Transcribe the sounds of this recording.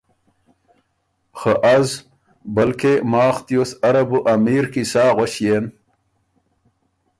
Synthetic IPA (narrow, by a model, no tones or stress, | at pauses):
xəʔaz | bɐlkemaːxt̪josɐɾɐbuʔɐmiːɾkisaːʁoɕjeːn